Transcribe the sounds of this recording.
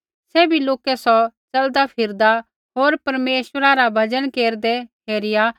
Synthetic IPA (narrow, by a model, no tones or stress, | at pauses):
sɛːbʱiloːkɛsɔt͡ʃɐld̪apʰɪɾd̪a | ɦoːɾpɐɾmeːʃwəɾaɾabʱɐd͡ʒənkeːɾd̪ɛɦʰeːɾɪja